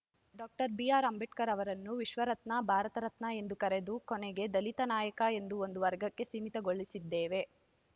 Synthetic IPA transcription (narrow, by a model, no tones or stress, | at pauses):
ɖaːk̚ʈɐɾbijaːɾɐmbeʈkɐɾɐʋɐɾɐnːuʋiʃʋɐɾɐt̪nɐbʱaːɾɐt̪ɐɾɐt̪nɐe̞nd̪ukɐɾe̞d̪ukoneɡe̞d̪ɐlit̪ɐnaːjɐkɐe̞nd̪uo̞nd̪uʋɐɾɡɐkːe̞siːmit̪ɐɡo̞ɭːisid̪ːeːʋe̞